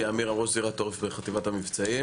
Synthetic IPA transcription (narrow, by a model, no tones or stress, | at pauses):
aamiʁamʁoʃziʁat̪ːoʁefbeχat̪ivathamivt͡sai